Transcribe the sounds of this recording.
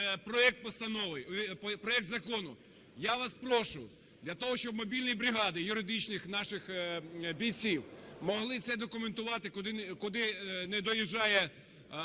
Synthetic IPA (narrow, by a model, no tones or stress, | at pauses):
pɾɔɛk̚t̪̚pɔst̪ɐnɔʋɪjpɾɔɛk̚t̪zɐkɔnʊ | jaʋɑspɾɔʃʊ | d̪lʲɐt̪ɔɦɔʃt͡ʃɔbmɔbʲilʲnʲijbɾʲɪɦɑd̪ɪjʊɾɪd̪ɪt͡ʃnɪxnɑʃɪxbʲijt͡sʲiwmɔɦlˠɪt̪sɛd̪ɔkʊment̪ʊʋɑt̪ɪkʊd̪ɪkʊd̪ɪnɛd̪ɔjiʒɑjɛ